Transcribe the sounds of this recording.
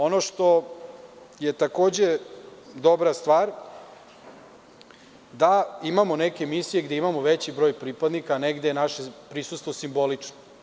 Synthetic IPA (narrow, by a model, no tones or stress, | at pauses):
o̞noʃt̪o̞ | je̞t̪ako̞ːd͡ʑe̞d̪o̞bɾast̪ʋaːɾ | d̪aimamo̞nekʲe̞misije̞ɡd̪e̞imamoʋet͡ɕibɾo̞jpɾipad̪nikaneɡd̪enaʃepɾisust̪ʋosimbo̞lit͡ʂno